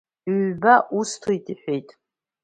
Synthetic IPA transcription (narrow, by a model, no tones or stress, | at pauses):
ɥbaʔustʰoitʼiħʷejtʼ